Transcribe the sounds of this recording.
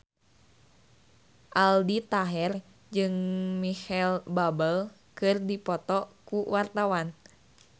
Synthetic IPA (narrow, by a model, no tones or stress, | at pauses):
ʔaldit̪aɦɛr | d͡ʒɨŋmihɛlbabəl | kɨrdipɔt̪ɔkuwart̪awan